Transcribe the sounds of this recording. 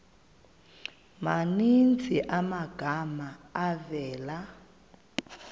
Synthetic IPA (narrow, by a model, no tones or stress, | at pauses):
manint͡sʰʼiʔamaɡ̥ʱamaːvɛːla